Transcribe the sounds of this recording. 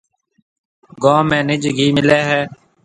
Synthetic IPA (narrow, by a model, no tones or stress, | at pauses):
ɡõːmẽːnɪd͡ʒɡʱiːmɪleːɦɛː